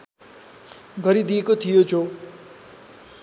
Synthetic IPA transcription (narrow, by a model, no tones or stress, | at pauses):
ɡʱʌɾid̪ijekot̪ʰijod͡zo